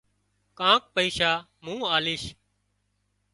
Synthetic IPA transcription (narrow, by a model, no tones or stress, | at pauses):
kãːk̚pəiːʃaː | mũːaːlɪːʃ